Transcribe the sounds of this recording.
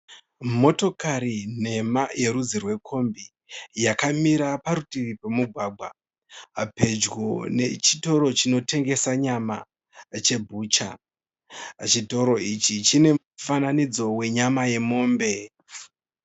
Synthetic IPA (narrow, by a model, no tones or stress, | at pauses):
mo̞to̞kaɾine̞maje̞ɾud͡zirwe̞kʰo̞mbi | jakamiɾapaɾutiʋipemuɡʱwaːɡʱwa | pe̞d͡ʒɡone̞̰t͡ʃito̞ɾo̞t͡ʃino̞te̞ŋɡe̞saɲama̰ | t͡ʃe̞bʱuːt͡ʃa̰ | t͡ʃito̞ɾo̞it͡ʃit͡ʃine̞ | fananid͡zo̞we̞ɲamaje̞mo̞ːmbe̞